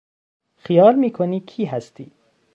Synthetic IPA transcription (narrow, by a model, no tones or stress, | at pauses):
xijɒːlmiːkʰonicʰiːɦæst̪ʰiː